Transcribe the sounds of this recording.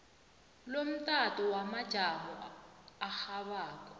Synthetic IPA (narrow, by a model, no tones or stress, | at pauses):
lom̩tʼatʼɔwamḁʒ̥ʱamɔaxaβaːkʼɔ̥